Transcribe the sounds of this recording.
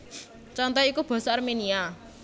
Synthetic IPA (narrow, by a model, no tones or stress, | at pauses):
t͡ʃɔnt̪ɔikub̥ɔ̤sɔarmenia